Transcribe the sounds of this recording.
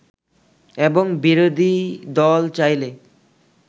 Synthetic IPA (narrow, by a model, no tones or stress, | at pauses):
ebɔŋbiɾod̪ʱid̪ɔlt͡ɕajle